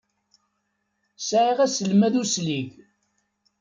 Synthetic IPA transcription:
sʕiʁæsəlmæðusliʝ

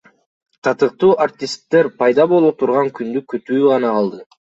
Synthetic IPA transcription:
t̪ʰɑt̪ɯq̚t̪uːʔart̪ʲɪst̪ːe̞ɾpɑjd̪ɑbo̞lˠut̪ʰuɾʁɑŋkynd̪ykøt̪yːʁɑnɑqɑlˠd̪ɯ

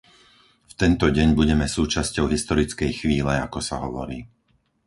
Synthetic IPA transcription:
ft̪ɛnt̪ɔɟɛɲbuɟɛmɛsuːt͡ʃascɔʊɦist̪ɔɾit͡skɛjxʋiːlɛakɔsa̰ɦɔʋɔ̰ɾiː

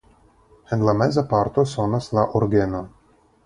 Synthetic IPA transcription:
hɛnlamɛzapart̪osonaslaʔorɡeno

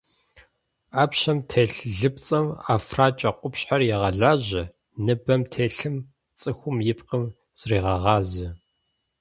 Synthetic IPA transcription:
aːpɕɐmtʰeːɬɮɨp̚t͡sʼɐma̰ːfraːt͡ʃʼɐqʷʼʊpɕħarjɛʁɐɮaːʑɪ | nɨbɐmtʰeːɬɨm | t͡sʼɨxʷʊmjɪp̚qəm | z̥riːʁɐʁɑːzɨ

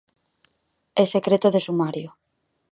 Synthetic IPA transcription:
esekɾet̪oðesumaɾjo

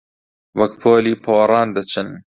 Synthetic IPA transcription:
wɐkpʰoːliːpʰoːɾˤɑːnd̪ɐt͡ʃʰɨn

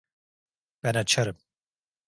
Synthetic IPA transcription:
b̥ɛnat͡ʃʰaɾɯm

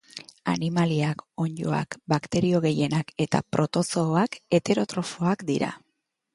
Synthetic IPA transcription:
a̰nimaliako̞ɲd͡ʒo̞̰a̰kbakt̪e̞ɾio̞ɣe̞je̞nake̞t̪a̰pɾʔo̞t̪o̞sooake̞t̪e̞ɾo̞t̪ɾo̞fo̞akd̪iɾa̰

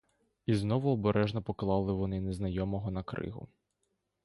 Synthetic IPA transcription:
iznɔʋʊɔbeɾʔɛʒnɔpɔklˠɑwlˠɪʋɔnɪneznɐjɔmɔɦɔnɐkɾɪ̰ɦʊ̰

